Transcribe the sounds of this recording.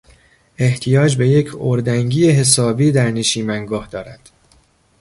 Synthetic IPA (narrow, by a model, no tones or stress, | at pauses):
e̞ht̪ʰijɒːd͡ʒbe̞je̞cʰoɾd̪æŋɟiːeɦe̞s̬ɒːbiːd̪æɾneʃiːmæŋɡɒːhd̪ɒːɾæd̪̥